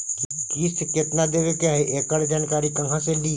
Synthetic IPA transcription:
kiːsɪkjət̪nad̪eːʋekjaːɦeʔeːkəɽd͡ʒaːnkaːɾikɐ̃ŋɡʰãsẽɖiː

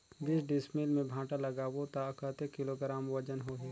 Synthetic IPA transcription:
ɡɪsɖɪsmilmẽbʱãːʈalɐɡaːwot̪akət̪ekɪloɡɾaːmʋɐd͡ʒənɦoɦɛː

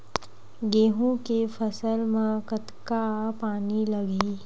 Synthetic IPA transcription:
ɡeːɦũkefʰəsəlmẽkət̪kapaːnilɐɡiː

